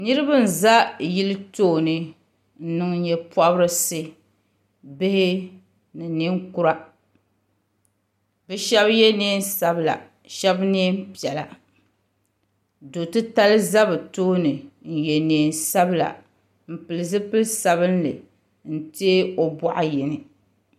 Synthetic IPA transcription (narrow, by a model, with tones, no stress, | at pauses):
nɨ˦ɾɨ˦bɨ˦n̩˨za˦ji˦lɨ˦toː˦nɨ˨ | n̩˦nɨ˦ŋ˦ɲɛ˦pa˦bɾɨ˦sɨ˦ | bɪ˦hɪ˦ | nɨ˨ni˦ŋku˦ɾa˦ | bɛ˦ʃɛ˦bjɛ˦neː˦n˦sa˦bla̰˨ | ʃɛ˦bneː˦m˦pi˨ɛ˨la̰˨ | do˨tɨ˦ta˦lɨ˦za˦bɨ˨toː˦nɨ˨n̩˨jɛ˨neː˨n˦sa˦bla̰˨ | m̩˨pɨ˨lɨ˨zɨ˦pɨ˦lsa˨βɨ˦nlɨ̰˨ | n̩˦teː˦o˨bɔ˦ʔa˦jɛ˨nɨ˨